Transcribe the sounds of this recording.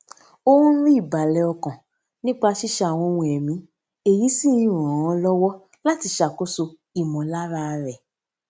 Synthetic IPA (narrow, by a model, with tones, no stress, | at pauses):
o˦ũ˦n̩˦ɾi˦i˦˨ba˨lɛ˨˧ɔ˧kã˨ | nĩ˦k͡pa˦˧ʃi˦ʃa˧˨w̃ɔ̃˧wũ˧ɛ˨mĩ˨˧˦ | e˨ji˨˦sĩ˦ĩ˦ɾ̃ɔ̃˨ɔ̃˧lɔ˦wɔ˦ | la˦ti˧ʃa˨ko˦so˧ | i˨mɔ̃˨la˦ɾa˦˧ɾɛ˨